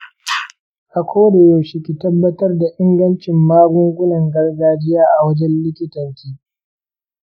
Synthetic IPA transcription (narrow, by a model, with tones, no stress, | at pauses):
ʔa˨kʷoː˦de˨jo˨ʃɪ˨kʲi˨tɐ˦bːɐ˦tɐ˦rda˨ʔɪ˦ŋɡɐ˦nt͡ʃɪ˨mːaː˦ɡʊ˦ŋɡʷʊ˦nɐ˨ŋɡɐ˦rɡaː˦d͡ʒɪ˦jaː˦ʔa˨wɐ˦d͡ʒɛ˦nlɪ˦kʲɪ˦tɐ˨ntiː˦